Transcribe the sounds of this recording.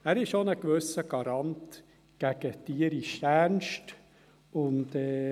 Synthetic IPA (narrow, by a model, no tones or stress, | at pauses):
æːɾɪʃonəkʋøsəɡ̥ɑɾɑnt | ɡ̥æɡ̥ətiːəɾiʃænʃt | ʊndɛː